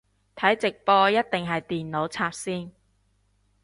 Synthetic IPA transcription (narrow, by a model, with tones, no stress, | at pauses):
t̪ʰɐ˨˥jt͡sɪ˨k̚pɔː˧jɐ˥t̚t̪ɪ˨ŋɦɐ˨jt̪iː˨nno˨˥wt͡sʰaː˧p̚siː˥n